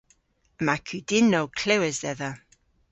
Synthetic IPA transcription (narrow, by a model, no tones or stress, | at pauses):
əmakʰidɪnɔwkʰl̥ɛwɛzðɛða